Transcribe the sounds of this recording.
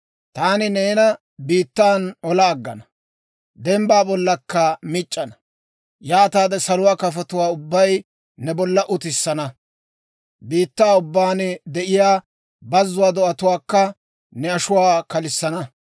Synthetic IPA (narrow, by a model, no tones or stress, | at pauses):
t̪aːnɪneːnɐ | biːt̪ːaːnɔlaːɡːɐ̰nɐ | d̪ɛmbaːbɔlːɐkːɐmɪt͡ʃʼːɐnɐ | jaːt̪aːd̪ɛsɐlʊwaːkɐfɐt̪ʊwaːʊbːɐj | nɛbɔlːɐʔʊt̪ɪsːɐnɐ | biːt̪ːaːʊbːaːnd̪ɛʔɪjaː | bɐzːʊwaːd̪ɔʔɐt̪ʊwaːkːɐ | nɛɐʃʊwaːkɐlɪsːɐnɐ